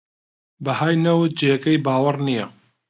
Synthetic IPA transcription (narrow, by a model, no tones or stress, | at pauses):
bɐhaːjnɐw̚d͡ʒejɐkɐjbaːwɐrnijɐ